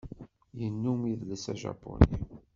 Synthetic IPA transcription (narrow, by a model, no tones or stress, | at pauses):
jənːumiððsæʒɑ̰pːoni